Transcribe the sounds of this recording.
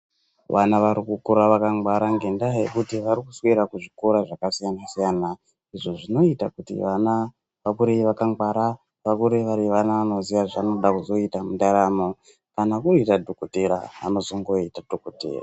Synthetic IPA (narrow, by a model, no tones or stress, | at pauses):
ʋanaʋaɾikukuɾaʋakaŋɡwaɾaŋɡe̞ndajekutiʋaɾikuswiɾakuʐikoɾaʐakasijanasijana | iʐo̞ʐino̞itakutḭʋana | ʋakuɾeʋakaŋɡwaɾa | ʋakuɾeʋaɾiʋanaʋano̞ziʋaʐano̞ɗakuzo̞itamundaɾamo | kanakuitadʱokuteɾa̰ʋa̰no̞zo̞ŋɡo̞itadʱokutḛra̰